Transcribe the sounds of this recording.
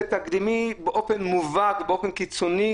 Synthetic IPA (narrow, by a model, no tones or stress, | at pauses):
t̪aɡd̪imibeʔofenmuvat̪beofenkit͡soni